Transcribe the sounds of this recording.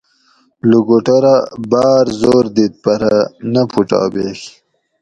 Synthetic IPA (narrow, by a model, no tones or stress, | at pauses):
luɡoʈoɾabɑːɾzoːɾd̪it̪̚paɾanapʰuʈɑ̰ːbex